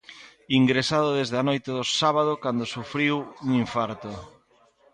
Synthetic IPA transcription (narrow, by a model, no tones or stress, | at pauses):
iŋɡɾesaðoðezðanojt̪eðosaβað̞okand̪osufɾiwuŋiɱfaɾt̪o